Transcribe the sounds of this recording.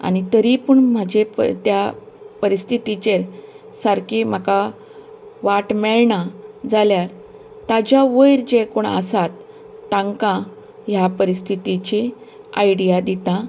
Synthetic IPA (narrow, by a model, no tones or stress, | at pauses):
a̰ñit̪əɾipəɳm̤ad͡ʑept̪ja | pəɾist̪ʰit̪it͡ɕeɾ | səɾkim̤aka | ʋaʈmɛɭɳad͡zaljaɾ | t̪ad͡ʑaʋəjɾd͡ʑekoɳə̰sat̪ː | ãŋkã | ɦjapəɾist̪ʰit̪it͡ɕi | ajɽijad̪it̪ã